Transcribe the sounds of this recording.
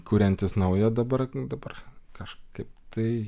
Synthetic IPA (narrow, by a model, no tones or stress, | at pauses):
kuːɾʲɛnʲt̪ʲɪsnɐʊjɛd̪ɐbɐrd̪ɐbɐrkɐʃkɐɪp̚t̪ɐɪ